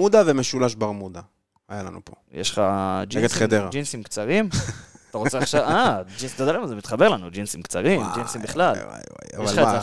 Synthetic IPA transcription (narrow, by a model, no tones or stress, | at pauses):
ud̪avemeʃulaʃbaʁmud̪a | ajalanṵpojʔḛʃχad͡ʒiɡed̪χed̪eʁad͡ʒinsimkt͡saʁimat̪aʁot͡seaχʃavad͡ʒinst̪ad̪alemazemit̪χabe̞ʁlanud͡ʒinsimkt͡saʁimmd͡ʒinsimbiχlal̰a̰aeχaeze